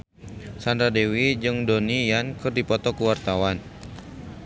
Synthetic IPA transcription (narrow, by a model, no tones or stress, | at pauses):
sandɾadewid͡ʒɨŋdɔnijankɨrdipɔt̪ɔkuwart̪awan